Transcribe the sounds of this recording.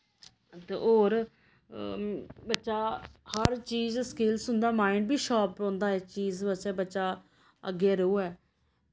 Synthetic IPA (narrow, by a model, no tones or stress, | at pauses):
t̪ḛʔoːɾ | bətːʃaːhəɾt͡ʃiːzskeːlsʊnd̪aːmaːɪɳɖbiːʃaːpõːnd̪aːɛːt͡ʃiːzbət͡ʃɛːbətːʃaː | əɡːeːɾəuːɛː